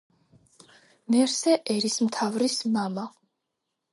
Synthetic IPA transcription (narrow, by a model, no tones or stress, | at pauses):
mɛɾsɛʔɛɾismt̪ʰavɾismama